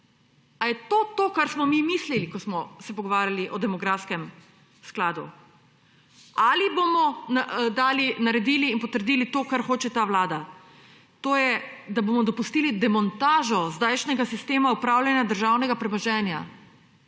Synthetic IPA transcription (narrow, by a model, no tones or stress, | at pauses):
ajɛt̪ot̪okaɾsmɔmimislilikɔsmɔsɛpɔɡɔʋaːɾjaliʔɔd̪ɛmɔɡɾafskɛm | sklaːd̪ṵ | alibomɔnad̪aːlinaɾɛd̪iliːnpɔt̪əɾd̪iːlit̪oːkaɾxoːt͡ʃɛt̪aːʋlaːd̪a | t̪oːjɛd̪abomɔd̪ɔpust̪iːlid̪ɛmɔnt̪aːʒɔzd̪ajʃnɛɡasist̪eːmaupɾaːwlʲjanjad̪əɾʒaːwnɛɡapɾɛmɔʒɛːnja̰